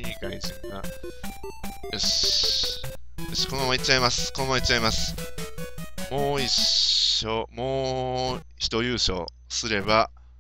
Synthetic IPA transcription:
iːkaizĩŋɡa̰ | oɕ | joɕi̥konomait͡ɕːaimasɨ̥konomoit͡ɕt͡ɕaimasɨ̥ | mo̞ːiɕo̞mo̞ː | çi̥t̪o̞jɯːɕo̞̰ | sɨɾe̞ba

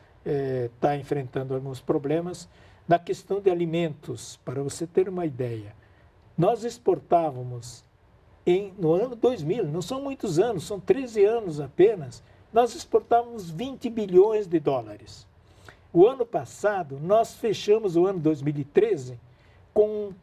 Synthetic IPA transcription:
ɛt̪aẽfɾẽnt̪ɐ̃nd̪ʊawɡũspɾoblẽmɐz | nɐkest̪ɐ̃w̃d̪ɪalimẽnt̪ʊspaɾɐvoset̪eɾũmɐid̪ɛjɐ | nɔzispoɾt̪avɐmʊz | ẽj̃nʊɐ̃nʊd̪ojzmilnɐ̃w̃sɐ̃w̃mũj̃t̪ʊzɐ̃nʊsːɐ̃w̃t̪ɾezɪɐ̃nʊzapẽnɐs | nɔzispoɾt̪avɐmʊzvĩnt̪ɪbiʎõj̃zd̪ɪd̪ɔlaɾɪs | ʊɐ̃nʊpasad̪ʊnɔsfeʃɐ̃mʊzʊɐ̃nʊd̪ojzmilɪt̪ɾezɪ | kõ

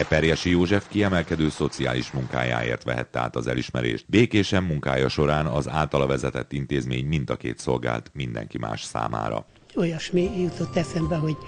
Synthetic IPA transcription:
ɛpɛrjɛʃijoːʒɛfkiɛmɛlkɛd̪øːso̞t̪sia̰ːliʃmuŋka̰ːja̰ːḛːrt̪ʋɛɦɛt̪ːɛa̰ːt̪ɒzɛliʃmɛɾḛːʃt̪beːkeːʃɛmːuŋkaːjɒʃo̞ɾaːnɒzaːlt̪ɒlɒvɛzɛt̪ɛt̪ːint̪eːzmeːɲmind̪ɒkḛːt̪so̞lɡa̰ːlt̪mind̪ɛ̰ŋkima̰ːʃsa̰ːma̰ːɾɒ̰ | ojɒʃmijut̪ot̪ːɛsɛmbɛɦoɟ

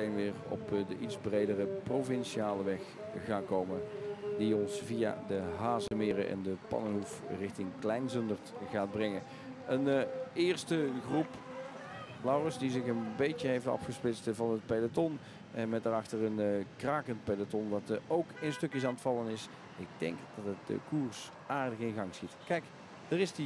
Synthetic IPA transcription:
ejnʋɪːɹɔ̰pdəʔitzbrejdərəprovɪnʃiaːləʋɛx | ɣaːkowmə̰diɔnsvija̰dəɦaːzəmɪːrəʔɛ̰ndəpɑ̰nənɦufrɪxtɪŋklɛjnzɵndəɹtɣaːd̚brɛŋən | ənɪːɹstəχrup | lawrəsdizɪχənbejtəɦejftɑ̰fχəsplɪtstvɑnət̚pedatɔn | ʔɛnmɛt̚daːrɑχtəɹənkraːkənt̚pedatɔnʋɑtowkɪnstɵkjəs̬aːntfɑlˠənɪs | ɪɡ̚dɛ̰ŋkd̥ɑtət̚də̰kuːɹs | ʔaːɹdəχɪnɣɑŋsxitkɛjk | dərɪsdi

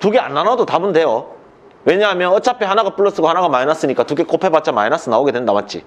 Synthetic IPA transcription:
tuɡe̞a̰nːanadotabunde̞jo | we̞ɲaɦamjʌnʌt͡ɕ͈ʰapʰehanaɡap͈uɭːʌs͈ɯɡohanaɡamaɾinas͈ɯɲik͈atuɡe̞k͈opʰe̞bat̚t͡ɕ͈amainas͈ɯnaoɡe̞dwendamat͡ɕ͈ḭ

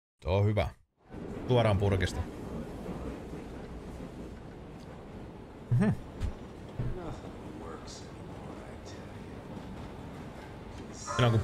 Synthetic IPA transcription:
t̪ohyʋæ̰ | uɑɾɑːmpuɾkist̪ɑ | ɦm̩ | nʌθŋwɜ˞ks | ɪt | nɑŋku

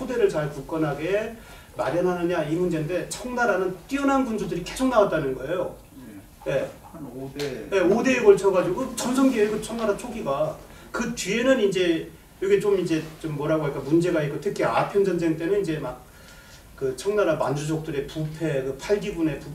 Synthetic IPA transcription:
sʰode̞ɾɯɭt͡ɕaɭkuk͈ʌnɦaɡe̞ | maɾjʌnɦanɯɲaimund͡ʑe̞nde̞t͡ɕʰʌŋnaɾanɯnt͈iʌnɦanbund͡ʑodɯɾikesʰoŋnawat̚t͈anɯnɡʌe̞jo | je̞ | je̞ode̞ːɡʌɭt͡ɕʰʌɡad͡ʑiɡot͡ɕʌnsʰʌŋɡieɡɯt͡ɕʰʌŋnaɾat͡ɕʰoɡiɡa | kɯt͡ɕɥie̞nɯnind͡ʑe̞ | joɡit͡ɕomind͡ʑe̞t͡ɕomːwʌɾɦaɡoɲik͈amund͡ʑe̞ɡaik͈otʰɯkʰia̰pʰjʌnd͡ʑʌnd͡ʑʰeŋt͈e̞nɯnind͡ʑe̞mak̚ | kɯt͡ɕʰʌŋnaɾamand͡ʑud͡ʑʌk̚t͈ɯɾe̞pupʰe̞kɯpʰaɭɡibune̞pu

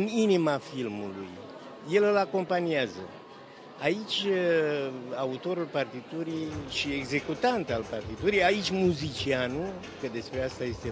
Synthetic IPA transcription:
ninimafilmulṵj | je̞lɨlako̞mpaniazə̰ | ait͡ʃʲ | aut̪o̞ɾulpart̪it̪uɾiʃie̞ɡze̞kut̪ant̪alpart̪it̪uɾiait͡ʃʲmuzit͡ʃianu | kəd̪e̞spɾe̞ast̪aje̞st̪e

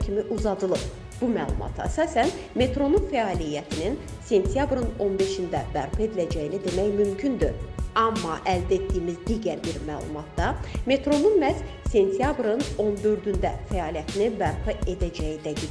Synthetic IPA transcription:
cʰimiʔuzɑd̪ɯlˠɯb | b̥umæ̰ːlˠṵmʔɑ̰t̪ʰæsɑːsænme̞t̪ʰɾo̞nunfæɑːlijæt̪ʰininse̞nt̪ʰjɑbɾɯno̞nbe̞ʃind̪æbæɾpe̞d̪ilæd͡ʒæjlid̪e̞mæjmymcʰynd̪yɑmːɑʔæld̪et̪̚d̪ijːmizd̪iːɟæɾbiɾmæːlˠṵmɑt̪̚d̪ɑme̞t̪ʰɾo̞nunmæz | se̞nt̪ʰijɑbɾɯno̞nd̪ø̞ɾd̪ynd̪æfæɑːlijæt̪ʰinibæɾpɯe̞d̪æd͡ʒæjid̪æd̪i

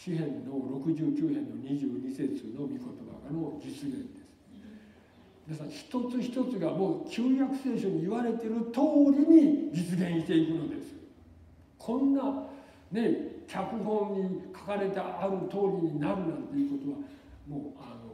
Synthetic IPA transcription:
ɕihẽ̞nːo̞ɾo̞kɯ̟ʑɨːkʲɨːɦẽ̞nːo̞ɲ̟iʑɨːɲ̟ise̞t͡sɨno̞mʲiko̞t̪o̞ba̰ɡano̞d͡ʑit͡sɨɡẽ̞nd̪e̞sɨ̥ | id̪esaçi̥t̪o̞t͡sɨçi̥t̪o̞t͡sɨɡamo̞ːkʲʰɨːjakɯ̟̥se̞ːɕo̞ɲ̟iːβaɾe̞t̪e̞ɾɯ̟t̪o̞ːɾʲiɲ̟id͡ʑit͡sɨɡẽ̞ɰ̃ɕi̥t̪e̞ikɯ̟no̞d̪e̞sɨ̥ | kʰõ̞nːa | ne̞kʲʰakɯ̟ɦõ̞ɲɲːikʰḁkaɾe̞t̪aʔaɾɯ̟t̪o̞ːɾʲiɲ̟inaɾɯ̟nat̪ːo̞jiɯ̟ko̞t̪o̞βa | moːano

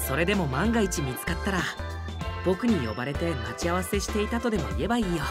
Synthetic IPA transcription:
so̞ɾe̞d̪e̞mo̞mãŋɡait͡ɕimʲit͡sɨ̥kat̪ːaɾa | b̥o̞kɯ̟ɲ̟ijo̞̰baɾe̞t̪e̞mat͡ɕiaβase̞ɕi̥t̪e̞it̪at̪o̞d̪e̞mo̞̰ḭe̞baiːjo

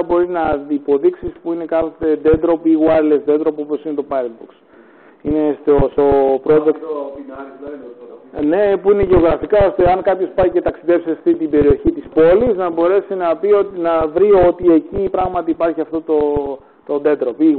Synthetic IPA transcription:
bo̞ɾiznɐipo̞ðiksispuine̞kɐθot̪ed̪e̞d̪ɾo̞piɣwɐɾlezd̪e̞d̪ɾo̞po̞posinet̪o̞pɐd̪buks | ine̞st̪ost̪o̞pɾozekt̪ | ne̞puineʝe̞o̞ɣɾɐfikɐost̪eɐnkɐpço̞spɐjce̞t̪ɐksiðe̞pseɐft̪it̪ibe̞ɾio̞çit̪ispo̞liznɐbo̞ɾe̞sinɐpionɐvɾiot̪ie̞cipɾɐɣmɐt̪iːpɐɾçiɐft̪o̞t̪o | t̪o̞d̪e̞d̪ɾo̞pi

